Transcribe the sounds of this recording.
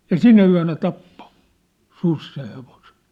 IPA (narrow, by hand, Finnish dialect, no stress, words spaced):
jɑ sinæ yæ̝næ tɑpːo sus seh̆ heʋose̥n̥